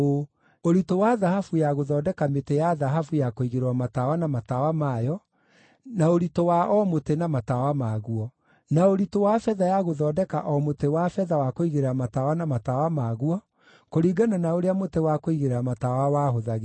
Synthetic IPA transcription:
o | oɾitowaðahafujaɣoðɔːdɛkametejaðaɦafujakoiɣeɾewamatawanamatawamajɔ | naoɾitowaʔɔmotenamatawamaɣuɔ | naoɾitowafɛðajaɣoðɔːdɛka̰ʔɔmotewafɛðawakoiɣeɾeɾamatawanamatawamaɣuɔ | koɾiːɡananaoɾeamotewakoiɣeɾeɾamatawawaɦoðaɣe

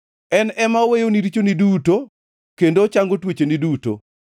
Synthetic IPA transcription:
ɛnɛmawejoniɾit͡ʃoniduto | kendot͡ʃaŋɡotwet͡ʃeniduto̰

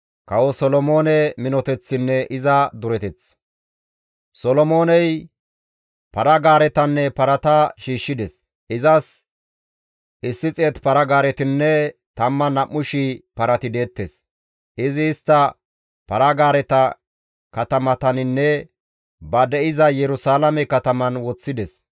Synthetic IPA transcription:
kɐwɔsɔlɔmo̞ːnɛmɪnɔt̪ɛt͡sːɪnːɛʔɪzɐd̪ʊɾɛt̪ɛt͡s | sɔlɔmo̞ːnɛj | pɐɾɐɡaːɾɛt̪ɐnːɛpɐɾɐt̪ɐʃiːʃːɪd̪ɛs | ɪzɐs | ʔɪsːɪt͡sʼeːt̪pɐɾɐɡaːɾɛt̪ɪnːɛt̪ɐmːɐnɐʔːʊʃɪpɐɾɐt̪ɪd̪e̞ːt̪ːes | ʔɪzɪːst̪ːɐ | pɐɾɐɡaːɾɛt̪ɐ | kɐt̪ɐmɐt̪ɐnɪnːɛ | bɐd̪ɛʔɪzɐjɛɾʊsaːlɐmɛkɐt̪ɐmɐnwɔt͡sːɪd̪ɛs

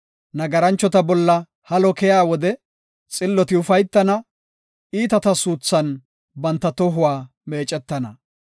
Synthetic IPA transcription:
nɐɡɐɾɐnt͡ʃːɔt̪ɐbɔlːɐ | hɐlɔkɛjaːwɔd̪ɛ | t͡sʼɪlːɔt̪ɪʊfɐjt̪ːɐnɐ | iːt̪ɐt̪ɐsuːt͡sːɐn | bɐnt̪ːɐt̪ɔɦʊwaː | me̞ːt͡ʃʼɛt̪ːɐnɐ

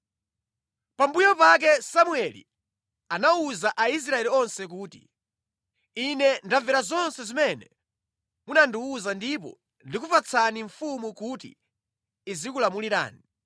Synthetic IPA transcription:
pambujɔpak̬ɛsamuɛlḭ | anauzaʔais̬ɾaɛliɔnsɛk̬uːtḭ | inɛndavɛɾazɔnsɛzimɛnɛ | munandiuzandip̬ɔ̰ | ndikufat͡sʰaniɱfumukutḭː | zikulamuliɾa̰ːni

